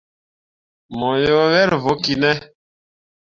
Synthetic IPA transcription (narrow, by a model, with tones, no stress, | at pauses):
mɔ˨jo˦βɛ˦ɾvo˨˦ki˨nɛ˦